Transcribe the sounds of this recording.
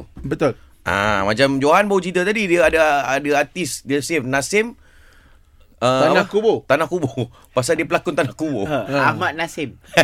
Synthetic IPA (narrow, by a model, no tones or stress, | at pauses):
bət̪ʊl | ʔa̰mãt͡ʃamd͡ʒoɦanbawut͡ʃit̪at̪adidiəadaadaat̪isdiəsɪfnãsɪm | ənakubot̪anãhkubo | pas̬adiəpəlakʊnt̪anahkuboamaʔ̪̚nasɪm